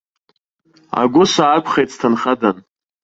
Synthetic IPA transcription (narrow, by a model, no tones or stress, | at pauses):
a̰ɡʷʊsʷaːpʰχejtstʰanχadan